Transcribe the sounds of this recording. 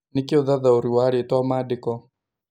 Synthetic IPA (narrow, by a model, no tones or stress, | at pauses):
nikiɔðaðauɾiwaɺitɔamadikɔ